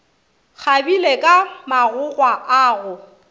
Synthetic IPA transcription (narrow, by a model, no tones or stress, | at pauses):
k͡xʰabilekʼamaɣʊɣwaʔaːɣʊ